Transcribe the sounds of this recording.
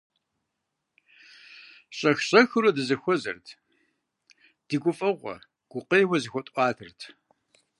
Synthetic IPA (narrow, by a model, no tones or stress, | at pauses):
ɕʼɐxɕʼɐxɨrɐdɨzɐxʷɔzɐ̰rtʰ | d̥iɡʷʊfʼɐʁʷɔ̰ | ɡ̥ʷʊqejwɐzɨxʷɔtʼʷɑːtʰɨrtʰ